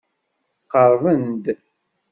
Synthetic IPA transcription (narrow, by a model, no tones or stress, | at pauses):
qəɾˤvənd̪